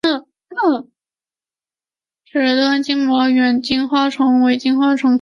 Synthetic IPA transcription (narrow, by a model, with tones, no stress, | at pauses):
n̩˥˩˥ | ʈ͡ʂɻ̩˧˥t̪wa˥nt͡ɕi˥ŋmwɔ˧˥ɥɛ˨˩nt͡ɕi˥nxwa˥ʈ͡ʂʰɤ˧˥ŋwe˧˥ɪt͡ɕi˥nxwa˥ʈ͡ʂʰɤ˧˥ŋ